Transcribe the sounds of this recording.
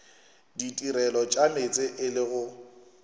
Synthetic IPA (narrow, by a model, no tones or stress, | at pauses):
ditʼiɾɛlɔt͡ʃʼamet͡sʼɪʔɪlɪɣʊ